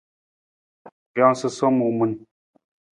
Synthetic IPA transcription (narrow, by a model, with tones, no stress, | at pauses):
jɔ˨˦ŋsɨ˦sɔ˦mu˨mu˨˦n